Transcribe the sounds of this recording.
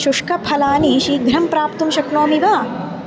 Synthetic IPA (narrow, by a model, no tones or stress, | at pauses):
ʃuʂkɐpʰɐlaːniʃiːɡɾɐmpɾaːp̚t̪umʃɐkloːmiʋaː